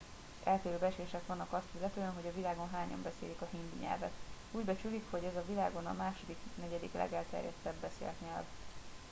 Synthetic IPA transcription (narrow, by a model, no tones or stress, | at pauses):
ɛlt̪eːɾøːbɛt͡ʃeːʃɛkʋɒnːɒkɒst̪ilːɛt̪øːɛnɦo̞ɟɒvilaːɡo̞nɦaːɲɒ̰mbɛseːlikɒɦinb̪iɲɛ̰lvɛ̰t̪ | uːɟbɛt͡ʃylikho̞ɟɛzɒvilaːɡo̞nɒ̰maːʃo̞d̪iknɛɟɛd̪ḭklɛ̰ɡɛlt̪ɛ̰ɾjɛ̰t̪ːɛbːɛsḛːlk̪ɲɛlv